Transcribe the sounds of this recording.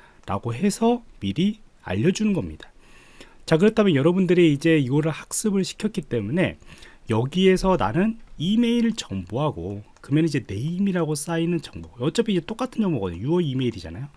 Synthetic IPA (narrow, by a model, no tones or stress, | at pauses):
ɾa̰ɡoɦe̞sʰʌmiɾi | a̰ʎːʌd͡ʑunɯnɡʌmɲid̥ḁ | t͡ɕak̬ɯɾʌtʰamjʌnjʌɾʌbundɯɾeid͡ʑe̞iɡʌɾɯɭhak̚s͈ɯbɯɭɕʰi̥kʰjʌt̚k͈it͈e̞mune̞̰jʌɡie̞sʰʌna̰nɯnime̞iɾɯɭt͡ɕʌmboɦaɡokɯmjʌnid͡ʑe̞ne̞imiɾaɡos͈ainɯnt͡ɕʌŋboʌt͡ɕ͈ʌpʰiid͡ʑe̞t͈ok͈atʰɯnd͡ʑʌŋboɡʌjuʌime̞iɾid͡ʑa̰najo